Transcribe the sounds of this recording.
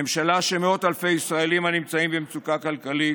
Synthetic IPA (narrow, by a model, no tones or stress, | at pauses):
emʃalaʃemeo̞t̪alfe̞jisʁae̞limhanimt͡saimbemt͡sukakalkali